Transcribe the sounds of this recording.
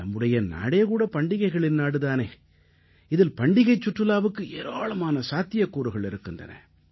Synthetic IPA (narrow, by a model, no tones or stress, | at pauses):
ɐmːɯɽɐjɐna̰ːɽeːkuːɽɐpɐɳɖɪɣɐɪɣɐɭɪnnaːɽɯðaːneː | ɪðɪlpɐɳɖɪɣɐɪt͡ʃːʊʈrɯlaːʋɯkːɯeːɾʋaːɭɐmaːnɐsaːt̪ːɪjɐkːuːɾɯɣɐɭɪɾɯkːɯndrɐ̰nɐ̰